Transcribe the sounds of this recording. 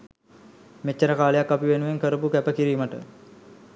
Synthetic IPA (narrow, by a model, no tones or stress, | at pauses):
met͡ʃːəɾəkaːlejakːapiʋenuʋeŋkəɾəpukæpəkiɾiːməʈə̰